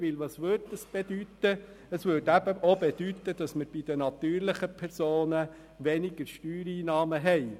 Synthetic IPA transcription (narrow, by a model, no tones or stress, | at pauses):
ʋɪlʋɑsʋøɾdd̪əsb̥ɛd̥̪yt̪ə | əsʋøɾdæb̥əʔobɛd̥̪yt̪ːəd̥ɑsməɾb̥id̥̪ənɑt̪yːɾlɪχəpʰɛɾsoːnə | ʋɛnɪɡ̥əɾʃtyːɾiːnɑːməɦɛɪ